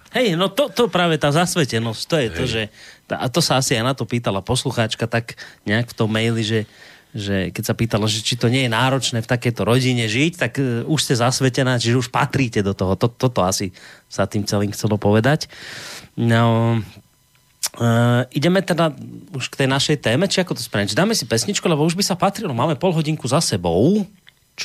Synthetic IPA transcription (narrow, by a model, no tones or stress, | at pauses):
hɛjnɔt̪ɔt̪ɔpɾaːʋɛt̪aːzasʋɛcɛnɔsc̚t̪ɔjɛt̪ɔʒɛa̰t̪ɔsaasijanat̪ɔpiːt̪alapɔsluxaːt͡ʃkat̪akɲɛakft̪ɔmːɛjliʒɛ | ʒɛkɛcsapiːt̪alaʒɛt͡ʃit̪ɔɲɪɛjɛnaːɾɔt͡ʃnɛːft̪akɛjt̪ɔɾɔɟiɲɛʒict̪akuʃscɛzasʋɛcɛnaːt͡ʃiʒɛuʃpa̰t̪ɾiːcɛd̪ɔt̪ɔɦɔt̪ɔt̪ɔt̪ɔasisat̪iːmt͡sɛliːmxt͡sɛlɔpɔʋɛd̪ac | nɔ | iɟɛmɛt̪ɛd̪auʃkt̪ɛjnaʃɛjt̪ɛːmɛt͡ʃiakɔt̪ɔspɾɛd͡ʒd̪aːmɛsipɛsɲit͡ʃkulɛbɔuʒbisapat̪ɾilɔmaːmɛpɔlɦɔɟiŋkuzasɛbɔʊ | t͡ʃ